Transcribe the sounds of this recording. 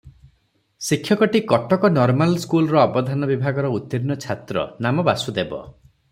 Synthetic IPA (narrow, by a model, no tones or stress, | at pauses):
sikʰjɔkɔʈikɔʈɔkɔnɔɾmalskulɔɾɔɔbɔd̪ʱanɔbibʱaɡɔɾɔut̪ːiɾinɔt͡ʃʰat̪ɾɔ̰namɔbasud̪ebɔ̰